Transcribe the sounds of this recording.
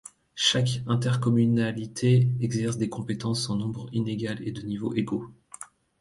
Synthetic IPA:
ʃakɛ̃t̪ɛʁkɔmynalit̪ʰeɛɡzɛʁsd̪ekɔ̃pet̪ɑ̃sɑ̃nɔ̃bʁineɡʲalḛd̪ənivoʔeɡo

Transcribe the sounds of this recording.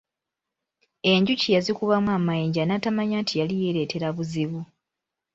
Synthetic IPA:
e̞ɲɟucijazikuβamwaːmajiːɲɟanaːtamaɲaːntʰijalije̞ɾe̞te̞ɾaβuziβu

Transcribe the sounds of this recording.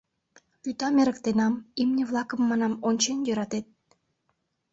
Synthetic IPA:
kyt̪ɑmeɾə̆kt̪enɑmimnʲeβlˠɑkəmːɑnɑmonʲt͡ɕenjøɾɑt̪et̪̚

